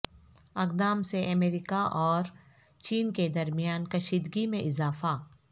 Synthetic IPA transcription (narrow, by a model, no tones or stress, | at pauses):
ɐɡd̪aːmseʔɐmeːɾiːkaʔɔːɾ | t͡ʃiːnked̪ɐɾmijaːnkɐʃiːd̪ɡimẽʔɪzaːfa